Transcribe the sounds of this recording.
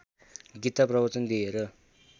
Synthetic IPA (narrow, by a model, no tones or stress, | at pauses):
ɡit̪ːaprʌbʌt͡sʌnd̪ieɾʌ